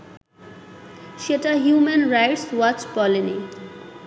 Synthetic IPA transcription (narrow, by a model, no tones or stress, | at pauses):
ʃeʈaɦjuːmenɾajʈswɔt͡ʃpɔlini